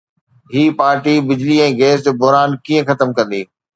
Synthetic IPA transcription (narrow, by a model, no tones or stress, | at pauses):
ɦiːpaːɾʈibɪd͡ʑliɛ̃ːɡeːs̬d͡ʑoːbʊɦɾaːnkiːə̃xɐt̪əmkɐ̃nd̪iː